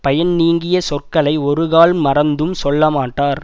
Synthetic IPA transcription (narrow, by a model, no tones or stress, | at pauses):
pɐjɐnniːŋɡɪjɐsɔrkɐɭɐɪɔɾɯɣaːlmɐɾɐnd̪ɯmsɔɭːɐmaːʈːaːɾ